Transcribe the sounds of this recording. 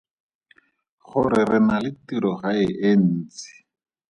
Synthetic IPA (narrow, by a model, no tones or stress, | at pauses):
χʊɾɪrɪnalɪtiɾɔχaɪʔen̩ːt͡sɪ̥